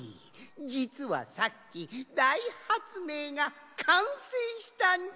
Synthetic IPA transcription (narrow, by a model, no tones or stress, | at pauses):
i | d͡ʑit͡sɨβa̰sakʲːid̪aihat͡sɨme̞ːɡa | kʰãɰ̃sẽɕi̥t̪aɲ